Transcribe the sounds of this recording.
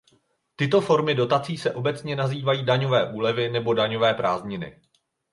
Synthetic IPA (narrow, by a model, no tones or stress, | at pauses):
t̪ɪt̪o̞fo̞ɾmɪdo̞t̪at͡siːsɛʔo̞bɛt͡sɲɛnaziːvajiːdaɲo̞vɛːʔuːlɛvɪnɛbo̞daɲo̞vɛːpɾaːzɲɪnɪ̰